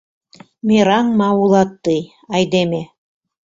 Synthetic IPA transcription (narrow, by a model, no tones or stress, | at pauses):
mʲeɾɑŋmɑulˠɑt̪ːɯj | ɑjd̪eme